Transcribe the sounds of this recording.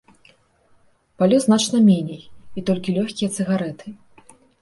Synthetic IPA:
palʲuznat͡ʂnɐmʲenʲejit̪ɔlʲkʲilʲɔxʲkʲijɐt̪sɨɣaɾɛt̪ʰɨ

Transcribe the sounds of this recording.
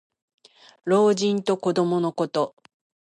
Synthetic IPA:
ɾo̞ːʑĩnt̪o̞ko̞d̪o̞mo̞no̞ko̞t̪o̞

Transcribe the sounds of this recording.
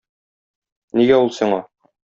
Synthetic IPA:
niɡæulˠsĭɴɑ

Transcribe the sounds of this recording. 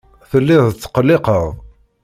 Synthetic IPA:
θəlːɪðət͡sːə̥qəlːɪqəʁ

